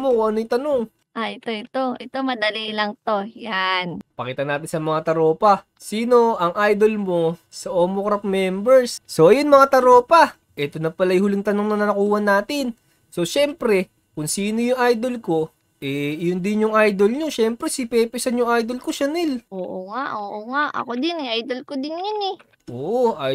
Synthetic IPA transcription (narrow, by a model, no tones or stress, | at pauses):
mokʊŋʔɐnojʊt̪ɐno̞ŋ | ʔaʔɛt̪oɛt̪oʔɛt̪omɐd̪ɐlilɐŋt̪o̞janpɐkiːt̪ɐnaːt̪ɪnsɐmɐŋat̪ɐɾo̞ːpɐ | siːno̞ʔɐŋʔajd̪o̞lmo̞ | sɐʔoːmokɾɐp̚mɛmbɛɹsso̞ʔɐjonmɐŋat̪ɐɾo̞ːpɐ | ʔɛt̪onɐpɐlajhʊliŋt̪ɐnoŋnɐnɐnɐkuːhɐnaːt̪ɪn | so̞ʃɛmpɾɛ | kʊŋsiːno̞jʊŋʔajd̪o̞lko̞ | ʔɛjʊnd̪ɪnjʊŋʔajd̪o̞lɲo̞ʃɛmpɾɛsɪpɛːpɪsɐnjʊŋʔajd̪o̞lko̞ʃɐnɪlʔoːʔoŋaʔoːʔoŋaʔɐ̰kod̪ɪnʔajd̪olkod̪ɪnjʊnɛ | ʔoːʔʔoʔ